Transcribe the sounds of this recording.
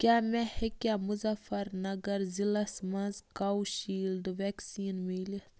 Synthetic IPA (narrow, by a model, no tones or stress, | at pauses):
kʲaːmɛ̃hekjaːmʊzɐfɐɾnɐɡɐɾzilɐsmɐzkawʃiːld̪ɨʋɛksiːnmili